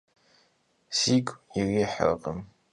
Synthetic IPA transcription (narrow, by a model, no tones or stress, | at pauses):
siːɡʷʼiriħə̰r̰qʼəm